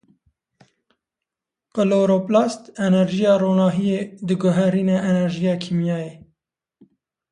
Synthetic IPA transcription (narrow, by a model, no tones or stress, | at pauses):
qəloːɾoplɑːst̪ɛnɛɾʒijɑːroːnɑːɦijeːd̪ɨɡʊɦɛɾiːnɛʔɛnɛɾʒijɑːkʰiːmjɑːjeː